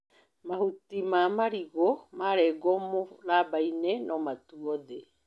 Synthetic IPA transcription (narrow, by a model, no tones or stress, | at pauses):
mahutimamaɾiɣomaɾɛɡomoɾaːbajnenomatuoðe